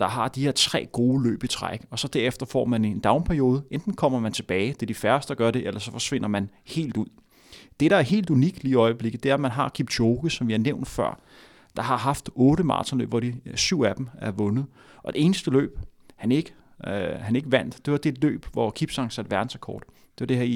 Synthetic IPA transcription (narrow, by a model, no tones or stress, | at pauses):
d̥ɑ̈ɦɑ̈d̥ihe̝ɐt͡sʰʁɛ̰ːɡ̥o̝ːlø̰ːb̥it͡sʰʁa̰ɡ̥ɒ̽sɒ̽d̥æɐ̰efd̥ɐfɒ̰ːmænend̥ɑ̈ʊnpʰæɐjo̝ːð̞ˠəʔend̥n̩kʰɒ̽m̰ɐmænt͡sʰe̝b̥ɛːɪd̥e̝ɐd̥ifæɐsd̥ɡ̥ɶɐɾe̝ʔelɐsɒ̽fɒ̽sʋe̝n̰ɐmænhe̝̰ːld̥uð̰ˠ | d̥e̝ɾɑ̈æɐɦe̝̰ːld̥uniɡ̥liːiɒ̽ɪəb̥le̝ɡð̩ˠd̥e̝æɐmænɦɑ̈kʰib̥doʊɡ̥əsɒ̽mʋiæɐneʊ̰nd̥fɶɐ̰ | d̥ɑ̈ɦɑ̈ɦɑ̈fd̥ɔ̽ːɾəmɑ̰ːt͡sʰɒ̽nlø̰ːb̥ʋɒd̥isyʊ̰æd̥m̩æɐʋɔ̽nð̩ˠ | ʔɒ̽d̥e̝e̝ːnəsd̥əlø̰ːb̥ | hæne̝ɡ̥ə | hæne̝ɡ̥əʋæn̰d̥d̥e̝ʋɑ̈d̥e̝d̥lø̰ːb̥ʋɒkʰib̥sɑ̈ŋsæd̥ʋæɐd̥n̩sækʰɒ̰ːd̥ | d̥e̝ʋɑd̥e̝heɐ̰